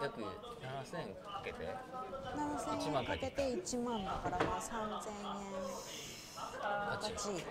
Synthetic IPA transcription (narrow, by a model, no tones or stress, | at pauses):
jakɯ | nanasẽŋkḁket̪ḛnanasẽãkaket̪eit͡ɕimãnd̪akaɾamasãnzẽẽn | akat͡ɕi